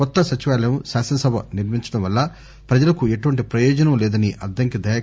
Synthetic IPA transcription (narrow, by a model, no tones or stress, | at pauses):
kɔt̪ːɐsɐt͡ʃiʋaːlɐjɐmsaːsɐnɐsɐbʱɐniɾmiɲt͡ʃɐɽɐmʋɐlːɐ | pɾɐd͡ʒɐlɐkue̞ʈuʋɐɳʈipɾɐjɔːd͡ʒɐnɐmlɛːd̪ɐniʔɐɾd̪ʱɐŋkid̪ʱɐja